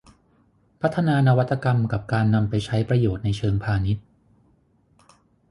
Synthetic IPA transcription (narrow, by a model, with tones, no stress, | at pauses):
pʰa˦˥t̪ʰːa˧naː˧na˦˧wa˦˥t̪ːa˧ka˧mka˨˩p̚kaː˧nːa˧mpa˧jt͡ɕʰa˦˥jpɾa˧joː˨˩t̪̚na˧jt͡ɕʰɤː˧ŋpʰaː˧ni˦˥t̪̚